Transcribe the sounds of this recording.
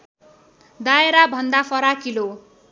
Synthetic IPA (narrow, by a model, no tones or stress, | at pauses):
d̪aeɾabʱʌnd̪apʰʌɾakilo